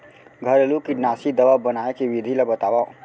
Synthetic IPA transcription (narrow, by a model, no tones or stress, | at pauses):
ɡʱɐɾlukinaːsid̪ɐʋabɐnaːekiʋid̪ʱilabɐt̪aːʋa